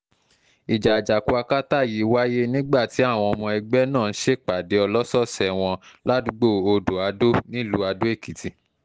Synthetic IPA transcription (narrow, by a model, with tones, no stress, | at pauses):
i˨d͡ʒa˨d͡ʒa˨ku˧a˧ka˦ta˦˨ji˨˦wa˦je˦nĩ˦ɡ͡ba˦˨ti˨˦a˦˨w̃ɔ̃˧ɔ˧mɔ̃˧ɛ˧ɡ͡bɛ˦nãː˦˨n̩˦ʃe˦˨k͡pa˨de˨˦ɔ˧lɔ˦sɔ˦˨sɛ˧˨w̃ɔ̃˧la˦du˨˧˦ɡ͡bo˦˨o˧do˨a˨˧do˦nĩ˦lu˨˦a˧do˦e˦˨ki˨ti˧